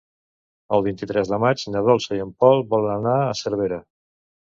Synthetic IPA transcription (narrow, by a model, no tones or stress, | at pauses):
əlˠβint̪it̪ɾɛzðəmad͡ʒnəðɔlˠsəjəmpɔlˠβɔlənanaəsəɾβ̞eɾə